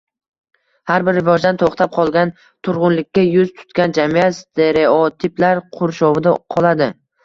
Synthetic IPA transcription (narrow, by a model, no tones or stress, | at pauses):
haɾbɪɾɪvɒd͡ʒd̪ant̪ʰoχt̪ʰap̚qʰɒlˠɡʲan | t̪ʰʊɾʁʊnlɪkʲːajʊzt̪ʰʊ̥t̪kʲand͡ʒamiat̪st̪ʰe̞ɾeɒt̪ʰɪplaɾqʰʊɾʃɒvɪd̪aqʰɒlˠad̪ɪ